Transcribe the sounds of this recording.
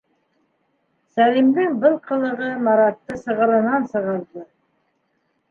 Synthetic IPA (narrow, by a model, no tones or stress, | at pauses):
sælimd̪ɘŋbɘlˠqʰɤ̆lˠɤ̆ʁɤmɑɾɑt̪ːɤsɤ̆ʁɤ̆lˠɤ̆nɑnsɤ̆ʁɑnt̪ˠɤ